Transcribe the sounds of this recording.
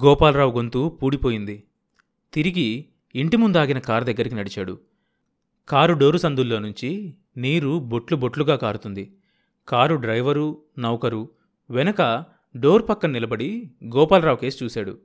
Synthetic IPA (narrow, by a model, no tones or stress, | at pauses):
ɡɔːpaːlɾaːwɡo̞nt̪uːpuːɽipo̞ːjind̪i | t̪iɾiɡiː | ɳʈimund̪aːɡinɐkaːɾd̪ɐɡːɐɾikinɐɽit͡ʃaːɽṵ | kaːɾuɖo̞ːɾusɐnd̪ulːo̞ːnuɲt͡ʃi | niːɾuboʈlubo̞ʈluɡaːkaːɾut̪und̪i | kaːɾuɖɾɐjʋɐɾu | nɐwkɐɾu | ʋɛnɐkɐ | ɖo̞ːɾpɐkːɐnnilɐbɐɽiɡɔːpaːlɾaːwke̞ːsit͡ʃuːsaːɽṵ